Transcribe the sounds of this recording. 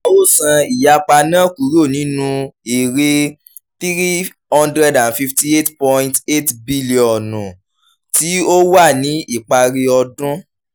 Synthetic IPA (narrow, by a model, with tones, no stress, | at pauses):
a˨o˦sã˧i˨ja˨˧k͡pa˧nã˦ku˨˦ɾo˦˨nĩ˨˦nũ˧e˨ɾe˧ | θi˦ɾi˦ | hɔ̃˦ndɾɛ˦dã˨nfi˧fti˦e˦tpɔ̃˧ĩ˦te˦tbi˦li˨ɔ̃˨nũ˨ | ti˦o˦wa˦˨nĩ˨˦i˦˨k͡pa˧ɾe˧ɔ˧dũ˦